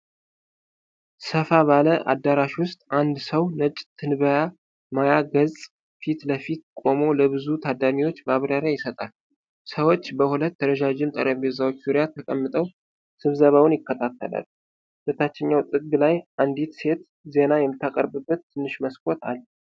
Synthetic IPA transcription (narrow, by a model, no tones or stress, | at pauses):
səfaβaləʔa̰d̪ːaɾaʃwʊst̪ʼʔand̪səwnət͡ʃʼt̪ʰɨnβəja | majaɡəzʼ | fit̪ləfit̪kʼo̞mo̞ləβɨzut̪ʰad̪amiwo̞t͡ʃːbaβɾaɾjajɪsət̪ʼal | səwo̞t͡ʃːbəhulət̪ːəɾəʒad͡ʒɪmt̪ʼə̰ɾʔəβezawot͡ʃːzuɾjat̪ʰəkʼəmːɨt̪ʼəw | sɨβzəβawʊnjɪkːət̪ʰat̪ʰːə̰la̰l | b̥ət̪ʰat͡ʃːɪɲːawt̪ʼɨɡlajʔand̪it̪se̞t̪ | ze̞najɛmːɨt̪ʰːakʼəɾbɨbːət̪ːɨnːɨʃməskʼo̞t̪ʰa̰lː